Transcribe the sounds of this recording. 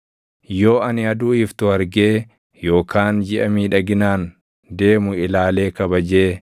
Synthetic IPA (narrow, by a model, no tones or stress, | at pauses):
jo̞ːɐnɪɐd̪uːɪft̪ʊɐɾɡeː | jo̞ːkaːnd͡ʒɪʔɐmiːᶑɐɡɪnaːn | d̪e̞ːmʊɪlaːle̞ːkɐbɐd͡ʒe̞ː